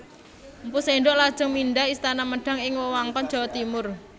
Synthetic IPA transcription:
mpuseɳɖɔʔlad̥ʒ̥ɔ̤ŋmiɳɖaɦist̪anaməɖ̥a̤ŋɪŋwɔwaŋkɔn̥d͡ʒ̥a̤wat̪imʊr

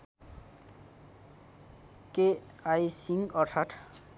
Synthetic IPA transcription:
ke | ajsiŋɡʌɾt̪ʰaʈʰ

